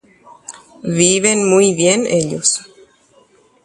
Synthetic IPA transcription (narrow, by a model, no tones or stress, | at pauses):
βiβenmujβjeneʎos